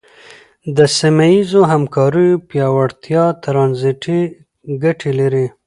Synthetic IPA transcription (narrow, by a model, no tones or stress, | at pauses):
d̪əsimajizoɦamkɑɾəjopjɑwaɽt̪jɑt̪ɾɑnziʈi | ɡaʈʰelaɾi